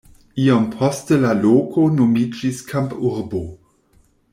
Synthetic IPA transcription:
iompʰostəlaloːkʰonomid͡ʒiskʰampuɾbo

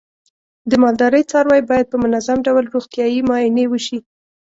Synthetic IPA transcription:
d̪əmɑld̪ɑɾəjt͡sɑɾwɑjbɑjad̪̚pəmʊnazamɖawlɾoɣt̪jɑjimɑɪnewəʃi

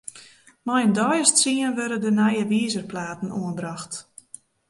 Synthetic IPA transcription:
mɔjəndɔjəstsiənʋøɾədənajəʋiːzərplaːtn̩uənbraxt

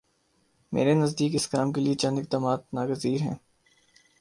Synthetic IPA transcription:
mḛːɾenɐzd̪iːkɪskaːmkeliet͡ʃɐ̃nd̪ɪk̚d̪aːmaːt̪̚naːɡəziːɾɦɛ̰̃ː

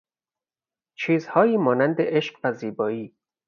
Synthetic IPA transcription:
t͡ʃʰiːzhɒːjiːmɒːnænd̪eʔeʃqvæziːbɒːiː

